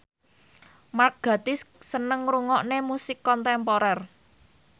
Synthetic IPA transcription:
mark̚ɡ̥ä̤t̪ɪssənəŋɾuŋɔʔnemusɪkːɔnt̪ɛmpoɾɛr

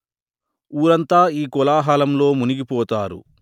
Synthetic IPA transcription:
uːɾɐnt̪aːiːkɔlaːɦaːlɐmlo̞ːmuniɡipɔːt̪aːɾṵ

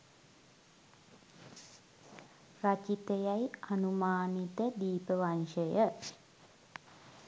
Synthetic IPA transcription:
rat͡ʃit̪əjajanumaːnit̪əd̪iːpəʋanʃəjə

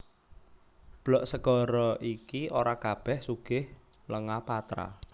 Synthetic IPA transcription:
b̥lɔʔsəɡ̥ɔ̤ɾɔʔikioɾakab̥ɛhsuɡ̥ɪh | ləŋapat̪ɾa̰

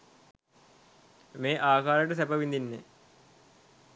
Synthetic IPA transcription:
meːʔaːkaːɾɐɽesɐbɐʋind̪inːe

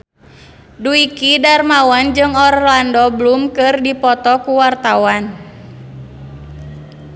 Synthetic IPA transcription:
duikidarmawand͡ʒɨŋɔrlandɔblumkɨrdipɔt̪ɔkuwart̪awan

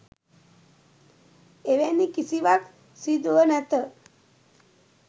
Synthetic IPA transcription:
eʋɛnːikisiʋak | sid̪uənat̪ə

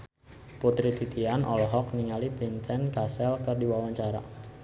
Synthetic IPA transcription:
put̪ɾit̪it̪ianʔɔlɔɦɔk̚niŋalibeɲt͡ʃɛnkasɛlkərdiwawaɲt͡ʃaɾa̰

